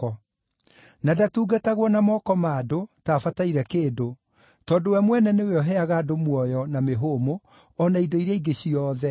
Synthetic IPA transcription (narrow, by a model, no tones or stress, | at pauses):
ɔ | nadatuːɡataɣwɔnamɔkɔmaːdotaːfataiɾɛkeːdo | tɔːdowɛmwɛnɛneweɔɦɛaɣadomwɔjɔnameɦomo | ɔnaidoiɾjaiɡeɕiɔːðɛ